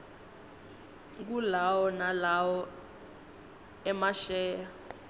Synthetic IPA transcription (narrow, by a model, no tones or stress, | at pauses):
k̬ulawɔnalawɔ | ɛmaʃɛːja